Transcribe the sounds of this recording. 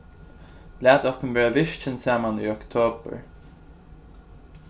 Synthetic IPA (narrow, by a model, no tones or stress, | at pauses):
læːt̪ɔkʊmveːɹaʋɪʃt͡ʃɪnsaːmaniɔkt̪ʰoːbə̰ɹ